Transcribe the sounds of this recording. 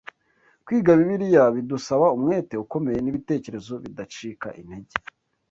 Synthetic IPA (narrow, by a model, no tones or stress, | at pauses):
kwiːɡaβiβiɾijaβidusaβaumŋe̞ːte̞uko̞me̞je̞niβite̞ːce̞ɾe̞zo̞βidat͡ʃiːka̰ʔin̥he̞ɟe̥